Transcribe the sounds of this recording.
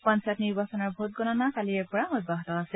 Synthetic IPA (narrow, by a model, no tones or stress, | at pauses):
pãnsatniɹbasɔnɔɹbʱot̚ɡɔnanakaliɛɹpɔɹaɔt̚baɦɔtɔasɛ